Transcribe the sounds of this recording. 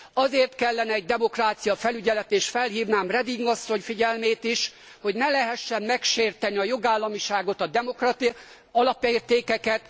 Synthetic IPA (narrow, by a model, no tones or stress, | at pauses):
ɒzeːrt̪kɛlːɛnɛːɟd̪ɛmo̞kraːt̪sijɒfɛlyɟɛlɛt̪eːʃt̪fɛlɦiːvnaːmrɛd̪iŋɡɒsːo̞ɲfiɟɛlmeːt̪iʃ | ho̞ɟnɛlɛɦɛʃːɛmːɛkʃeːrt̪ɛniɒjo̞ɡaːlːɒmiʃaːɡo̞t̪ɒd̪ɛmokrɒt̪i | ɒlɒpeːrt̪eːkɛkɛt̪